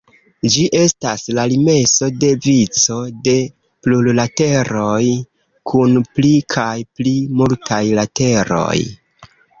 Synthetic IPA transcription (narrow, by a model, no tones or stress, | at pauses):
d͡ʒiʔe̞staslalime̞so̞de̞vit͡so̞de̞ | plullate̞ɾo̞j | kʰunplikʰajplimultʰajlate̞ɾo̞̰j